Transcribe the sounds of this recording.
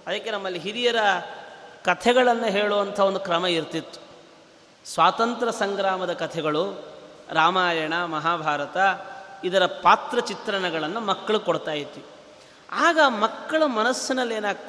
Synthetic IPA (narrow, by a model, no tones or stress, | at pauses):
ɐd̪ɐkːe̞nɐmːɐlːiɦiɾijɐɾɐ | kɐt̪ʰɛɡɐɭɐnːuɦeːɭuʋɐnt̪ʰɐo̞nd̪ukɾɐmɐiɾt̪it̪ːu̥ | sʋaːt̪ɐnt̪ɾɐsɐŋɡɾaːmɐd̪ɐkɐt̪ʰɛɡɐɭuɾaːmaːjɐɳɐmɐɦaːbʱaːɾɐt̪ɐid̪ɐɾɐpaːt̪ɾɐt͡ʃit̪ɾɐɳɐɡɐɭɐnːumɐkːɐɭukoɽt̪aːjit̪ːii | aːɡɐmɐkːɐɭumɐnɐsːinɐlːe̞ːnaːɡ